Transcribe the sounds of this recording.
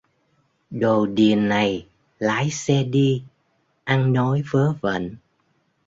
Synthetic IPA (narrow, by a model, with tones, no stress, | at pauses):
ɗo˨˩ɗi˨˩ənːa˨˩j | laː˨˦jsɛ˧ɗi˧ | ʔa˧ŋnɔ˨˦jvəː˨˦və̰˧˨n